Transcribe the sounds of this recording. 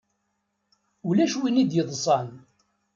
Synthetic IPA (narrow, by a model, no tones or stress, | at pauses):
ulæʃwinid̪jəðˤsˤɑn